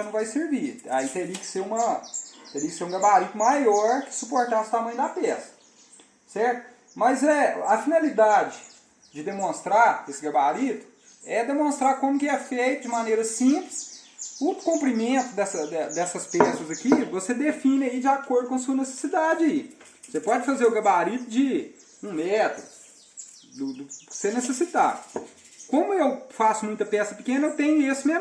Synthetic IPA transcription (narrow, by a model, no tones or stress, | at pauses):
nɐ̃w̃vajseɾvia̰it̪eɾiɐkɪ̥seɾũmɐt̪eɾiɐkɪ̥seɾũɡɐbaɾit̪ʊmajɔɾkɪ̥supoɾt̪asʊ̥t̪amɐ̃j̃ʊd̪apɛsɐ̥ | sɛɾt̪ʊ | mɐzɛɐfinɐlid̪ad͡ʒɪ | d͡ʒɪd̪emõst̪ɾaesɪɡɐbaɾit̪ʊ̥ | ɛd̪emõst̪ɾakõmʊkɪɛfejt̪ʊd͡ʒɪmanejɾɐsĩplɪsʊkõmpɾimẽt̪ʊd̪ɛsɐd̪ɛd̪ɛsɐspɛsɐzɐkivosed̪efĩnɪɐid͡ʒɪakoɾd̪ʊkõɐsuɐnese̥sid̪ad͡ʒɪɐi | osepɔd͡ʒɪfazeɾʊɡɐbaɾit̪ʊd͡ʒɪ | ũmɛt̪ɾʊ | d̪ʊd̪ʊɪ̥seɾnesesit̪a̰d̪ʊ | kõmʊewfasʊmũj̃t̪ɐpɛsɐpɪkẽnɐewt̪ẽɲʊesɪmẽ